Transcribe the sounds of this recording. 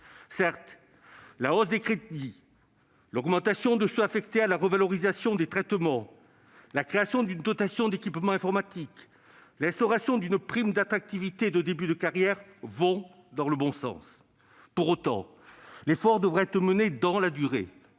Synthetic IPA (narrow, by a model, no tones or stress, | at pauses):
sɛʁt̪ | laosd̪ekχet̪ni | lɔɡmɑ̃t̪asjɔ̃d̪əsøafɛkt̪ealaʁəvalɔʁizasjɔ̃d̪et̪χɛt̪mɑ̃ | lakχeasjɔ̃d̪ynd̪ɔt̪asjɔ̃d̪ekʲipmɑ̃ɛ̃fɔʁmat̪ik | lɛ̃st̪ɔʁasjɔ̃d̪ynpχimd̪at̪χak̚t̪ivit̪ed̪əd̪ebyd̪əkaʁjɛʁvɔ̃ | d̪ɑ̃ləbɔ̃sɑ̰̃s | puʁot̪ɑ̰̃ | lefɔʁd̪əvʁɛɛt̪χəməned̪ɑ̃lad̪yʁḛ